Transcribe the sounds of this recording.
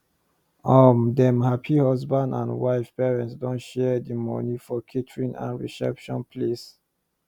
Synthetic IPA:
ɔmdɛ̃mhapʰihɔzbãndã̰nwaɪfpɛɹɛ̃ntsdɔ̃nʃɛdimɔ̰nifɔkʰitʰɹĩnã̰nɹḭsɛ̰pʃɔ̃npʰles

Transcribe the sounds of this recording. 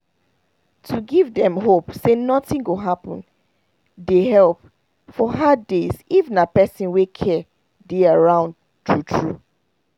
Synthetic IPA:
tʰuɡivdɛ̃mɦopsenɔtĩŋɡoɦapə̰̃n | deɦɛlp | fɔɦadːezivnapɛsĩnwekʰɛ | deaɹãʊ̃nd | tʰutʰɹu

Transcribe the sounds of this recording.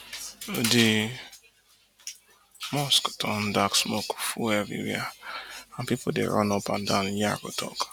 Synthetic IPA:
odi | mɔsktɔn̩daksmokfuɛvḭɾḭaãnpipodḛɾɔ̰nɔpa̰ndãnja̰ko̰tʰɔ̰k

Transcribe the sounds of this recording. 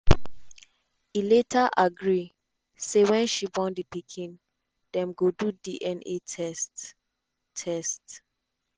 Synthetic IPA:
iletʰaʔaɡɹi | sewɛ̃nʃibɔ̃ndipikʰĩn | d̥ɛ̃mɡodudiʔɛ̃netʰɛst | tʰɛst

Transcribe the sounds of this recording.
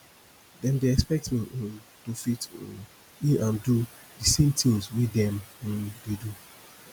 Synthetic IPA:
dɛ̃mdeɛkspɛk̚tmĩ | tofit | ĩnãndu | disẽmtʰilzwidɛ̃m̩̃dedu

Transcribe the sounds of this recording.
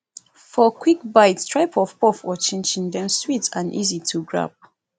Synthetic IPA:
fɔkʰwik̚baɪtstʰɹaɪpʰɔv̥pɔfɔt͡ʃẽnd͡ʒĩŋdɛ̃mswitãnʔḭzitʰuɡɹa̰p̚

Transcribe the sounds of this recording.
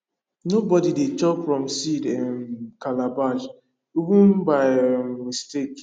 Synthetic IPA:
nobɔdidet͡ʃɔpfɹɔ̃msidɛnkalabaʃ | ivũnbaɪmistek

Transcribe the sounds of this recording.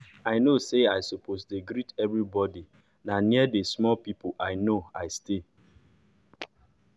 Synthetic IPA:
aɪnoseaɪsoposdeɡɾitɛvɾibɔdi | naniədesmɔlpipʊʔaɪnoaɪste

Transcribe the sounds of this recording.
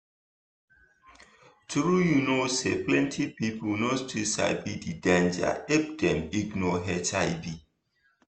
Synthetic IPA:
tɹujunoseplɛ̃ntʰipipulnostisa̰bididãnd͡ʒa̰ep̚dɛ̃miɡnɔɦɛtʰaɪbi

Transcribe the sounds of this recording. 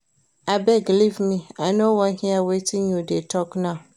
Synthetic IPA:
abɛɡlivmĩanowãnhĩawetʰɪ̃ŋjudetʰɔknã

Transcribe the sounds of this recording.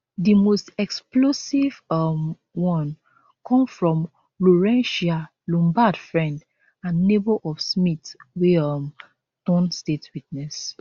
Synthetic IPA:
dimostɛksplosivɔm | wɔ̃n | kɔ̃mfɹɔ̃m | loɹɛ̃nʃa | lɔ̃mbadfɹɛ̃nd | ãnːebɔʔɔfsmitwiɔm | tɔ̃nstetwitnɛs

